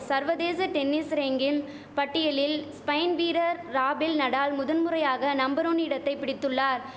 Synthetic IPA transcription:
sɐɾʋɐðeːsɐʈɛnːɪsɾeŋɡɪn | pɐʈːɪjɐlɪlspɐɪnʋiːɾɐɾːaːbɪlnɐɽaːlmʊðɐnmɯrɐjaːɣɐnɐmbɐɾoːnɪɽɐt̪ːɐɪpːɪɽɪt̪ːɯɭːaːɾ

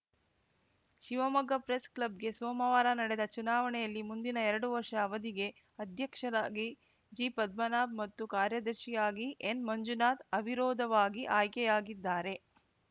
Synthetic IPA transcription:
ʃiʋɐmɐɡɐpɾesklɐbɡe̞sɔːmɐʋaːɾɐnɐɽɛd̪ɐt͡ʃunaːʋɐɳɛjɐlːimund̪inɐɛɾɐɽuʋɐɾʂɐːʋɐd̪iɡe̞ | ɐd̪ʱjɐkʂɐɾaːɡi | d͡ʒiːpɐd̪̚mɐnaːb̚mɐt̪ːukaːɾjɐd̪ɐɾʃijaːɡiʔenmɐɲd͡ʒunaːt̪ɐbʱiɾɔːd̪ʱɐʋaːɡiʔaːjkɛjaːɡid̪ːaːɾe̞

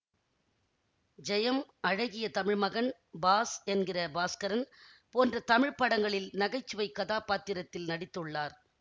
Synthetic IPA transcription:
d͡ʒɛjɐmɐɻɐɣɪjɐt̪ɐmɪɻmɐɣɐɳ | baːsɛnɡɪrɐbaːskɐɾɐnpoːndrɐt̪ɐmɪɻpɐɽɐŋɡɐɭɪlnɐɣɐɪt͡ʃːɯʋɐɪkːɐðaːpaːt̪ːɪɾɐt̪ːɪlnɐɽɪt̪ːɯɭːaːɾ

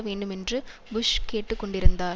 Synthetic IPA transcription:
ʋeːɳɖɯmɛndrɯbʊʂkeːʈːɯkːɔɳɖɪɾɯnd̪aː

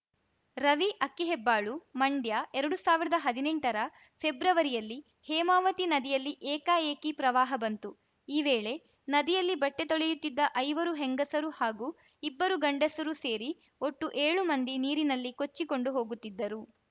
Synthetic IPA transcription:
ɾɐʋiʔɐkːiɦɛbːaːɭumɐɳɖjaʔɛɾɐɽusaːʋiɾɐd̪ɐɦɐd̪ineɳʈɐɾɐ | pʰebɾɐʋɐɾijɐlːi | hɛːmaːʋɐt̪inɐd̪ijɐlːiʔɛːkaeːkipɾɐʋaːɦɐbɐnt̪u | iːʋeːɭe̞ | nɐd̪ijɐlːibɐʈːe̞t̪o̞ɭejut̪ːid̪ːɐʔɐjʋɐɾuɦeŋɡɐsɐɾuhaːɡuː | ibːɐɾuɡɐɳɖɐsɐɾuse̞ːɾi | o̞ʈːuʔeːɭumɐnd̪iniːɾinɐlːiko̞t͡ʃːiko̞ɳɖuɦo̞ːɡut̪ːid̪ːɐɾu

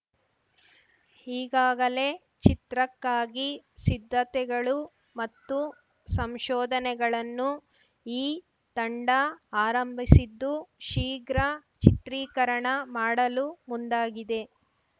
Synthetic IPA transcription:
hiːɡaːɡɐle̞ | t͡ʃit̪ɾɐkːaːɡisid̪ʱːɐt̪ɛɡɐɭu | mɐt̪ːu | sɐmʃɔːd̪ʱɐnɛɡɐɭɐnːu | iː | t̪ɐɳɖɐaːɾɐmbʱisid̪ːuʃiːɡɾɐ | t͡ʃit̪ɾiːkɐɾɐɳɐmaːɽɐlumund̪aːɡid̪e̞

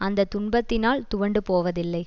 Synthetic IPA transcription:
ɐnd̪ɐt̪ʊɳbɐt̪ːɪnaːlt̪ʊʋɐɳɖɯpoːʋɐðɪlːɐɪ

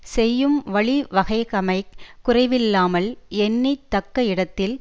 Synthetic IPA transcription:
sɛjːɯmʋɐɭiʋɐɣɐɪkɐmɐɪʊrɐɪʋɪlːaːmɐlɛnːit̪ːɐkːɐɪɽɐt̪ːɪl

